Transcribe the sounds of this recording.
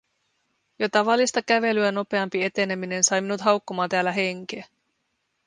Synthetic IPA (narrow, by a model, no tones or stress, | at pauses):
jot̪ɑʋɑlːist̪ɑkæʋe̞lyæno̞pe̞ɑmpie̞t̪e̞ne̞mine̞nsɑjminut̪ɦɑwkːomɑːt̪æːlːæɦe̞ŋk̟eː